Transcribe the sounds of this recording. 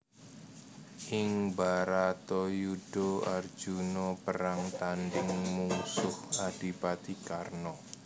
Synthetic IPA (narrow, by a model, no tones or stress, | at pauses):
ʔɪŋbaɾat̪ɔjuɖ̥oard̥d͡ʒ̥unɔpəɾaŋt̪anɖɪŋmusʊhad̥i̤pat̪ikarnɔ